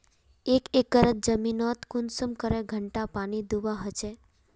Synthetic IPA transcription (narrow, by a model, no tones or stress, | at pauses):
ekekːəɾət̪̚d͡ʒəminɔt̪kunsəmkəɾeɡʱəɳʈapaɽ̃id̪uʋaɦət͡ʃʰe